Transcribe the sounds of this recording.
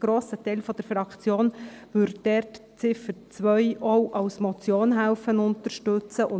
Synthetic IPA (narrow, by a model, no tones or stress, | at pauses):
ɡ̥ɾoːsətɛɪlfɔd̥əɾfɾɑkt͡sjoːnʋʏɾd̥ɛɾtt͡sɪfəɾt͡sʋœʏʔɔʊʔɑwsmɔt͡sjoːnɦæʊfənʊntəɾʃtɵt͡səʔʊ